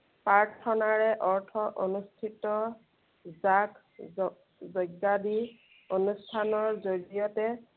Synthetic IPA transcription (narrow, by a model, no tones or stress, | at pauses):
paɹtʰːɔnaɹɛʔɔɹtʰɔʔonustʰitɔ | zak | zɔjɡadi | onustʰanɔɹzoɹijɔtɛ